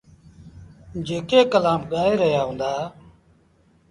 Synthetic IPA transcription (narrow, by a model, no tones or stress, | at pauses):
d͡ʒeːkeːkəlaːmɠaːeːɾəɦjaːɦũːnd̪aː